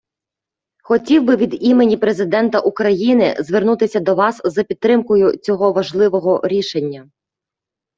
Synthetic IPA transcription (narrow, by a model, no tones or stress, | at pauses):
xɔtʲiwbɪʋʲid̪imenʲipɾe̞zɪd̪ɛnt̪ɐʔukɾɐjinɪ̰zʋernut̪ɪsʲɐd̪ɔʋɑszɐpʲidt̪ːɾɪmkɔjʊt͡sʲɔɦɔʋɐʒlˠɪʋɔɦɔɾʲiʃe̞nʲːɐ